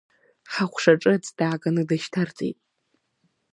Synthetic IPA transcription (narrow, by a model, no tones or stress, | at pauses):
ħaχʷʰʂaʈ͡ʂʼɨt͡sʼd̥aːkʼanɨdaʃtʰart͡sʼḛjtʼ